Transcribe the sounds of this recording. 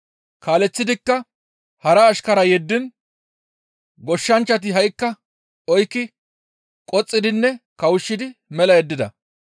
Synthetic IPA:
kaːlɛt͡sːɪd̪ɪkːɐ | hɐɾɐːʃkɐɾɐjɛd̪ːɪn | ɡɔʃːɐnt͡ʃːɐt̪̬ɪɦɐjkːɐ | ɔjkːɪ | kʼɔt͡sʼːɪd̪ɪnːɛkɐwʊʃːɪd̪ɪmɛlɐjɛd̪ːɪd̪ɐ̰

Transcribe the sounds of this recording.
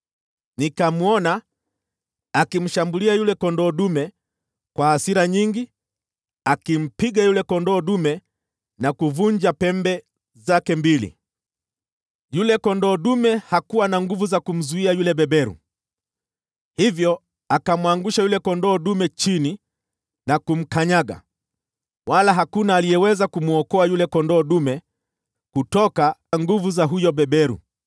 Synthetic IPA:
nikamuɔna | akim̩ʃambuliajulɛkɔndɔːɗumɛ | kwahasiɾaɲiŋɡi | akim̩piɠajulɛkɔndɔːɗumɛ | nakuvuɲd͡ʒapɛmbɛ | zakɛmbilḭ | julɛkɔndɔːɗumɛhakuwanaŋɡuvuzakum̩zuiajulɛɓɛɓɛɾṵ | hivjɔ | akamuaŋɡuʃajulɛkɔndɔːɗumɛt͡ʃini | nakum̩kaɲaɠa̰ | walaɦakunaːlijɛwɛzakumuɔkɔajulɛkɔndɔːɗumɛ | kutɔkaŋɡuvuzaɦujɔɓɛɓɛɾṵ

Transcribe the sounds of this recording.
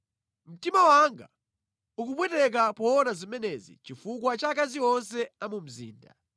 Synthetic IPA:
m̩timawaŋɡa̰ | ukupwɛtɛk̬apɔːnazimɛnɛzḭt͡ʃifukwat͡ʃak̬aziɔnsɛamum̩zḭːnda̰

